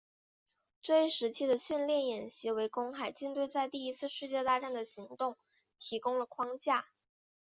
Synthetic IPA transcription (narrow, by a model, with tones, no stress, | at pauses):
ʈ͡ʂɤ˥˧i˥ʂɻ̩˧˥t͡ɕʰi˥d̪ə˨ɕy˥˧nljɛ˥˩njɛ˨˩nɕi˧˥we˧˥ɪkʊ˥ŋxa˨˩ɪt͡ɕi˥˧nt̪we˥˧ɪt͡sa˥˧ɪt̪i˥˩˧i˥t͡sʰɹ̩˥˧ʂɻ̩˥˧t͡ɕjɛ˥˧t̪a˥ʈ͡ʂa˥˩nd̪ə˩ɕi˧˥ŋt̪ʊ˥˩ŋ | t̪ʰi˧˥kʊ˥ŋlə˨kʰwɑ˥ŋt͡ɕja˥˩